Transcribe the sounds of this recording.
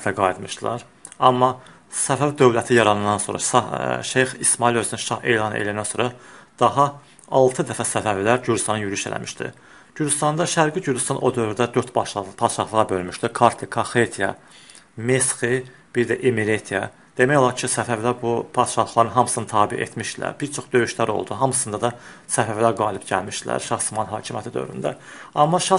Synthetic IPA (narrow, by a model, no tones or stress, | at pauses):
t̪ʰæɡɑid̪mɯʃd̪lˠɑ̰ɾ | ɑ̰mːɑ | sæfævd̪ø̞vlæt̪ʰijɑɾɑnɯnd̪ɑnso̞̰ɾɑ̰sɑʃejxismɑilø̞zynynʃɑhḛlˠɑnḛlænænsoɾɑd̪̥ɑɦɑ | ɑlˠt̪ʰɯd̪æfæsæfævlæɾɟyɾd͡ʒ̪yst̪ɑnɯnjyɾyʃelʔæ̰mʔi̥̰ʃd̪ḭ | ɟyɾd͡ʒ̪yst̪ɑnd̪ɑʃæɾɡiɟyɾd̪yst̪ɑnʔo̞d̪ø̞vɾd̪æd̪øɾt̪bɑʃpʰɑd̪ʃɑχlˠɯɣʁɑbø̞lmyʃd̪ikʰɑɾt̪ʰɯkʰɑxet̪ʰijɑ̰ | mesχi | b̥iɾd̪æʔimiɾet̪ʰijɑ̰ | d̪̥e̞mæjo̞lˠɑɾcʰisæfævlæɾbupʰɑd̪ʃɑxlˠɑɾɯnɦɑmsɯnɯt̪ʰɑːbiḛt̪ʰmiʃd̪ilæ̰ɾb̥iɾt͡ʃʰo̞χd̪ø̞jyʃlæɾo̞̰lˠd̪uɦɑmɯsɯnd̪ɑd̪ɑsæfævlæɾɡɑːlibɟæ̰lmiʃd̪ilæ̰ɾʃɑχsmɑnɦɑːcʰimjæt̪id̪ø̰vɾy̰nd̪æ̰ɑmːɑʃɑ